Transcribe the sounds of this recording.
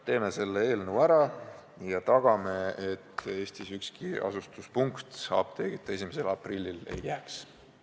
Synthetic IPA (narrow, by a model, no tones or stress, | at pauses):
t̪e̞ːme̞se̞lːee̞ːlnəwæɾɑ | jɑt̪ɑɡ̥ɑme̞et̪ːe̞ːst̪isykskiɑ̰sust̪uspuŋkt̪sɑ̰ːb̥t̪ʰe̞ɡ̥it̪ːˑɑe̞sʲimese̞lɑprilʲːile̞̰jjæːks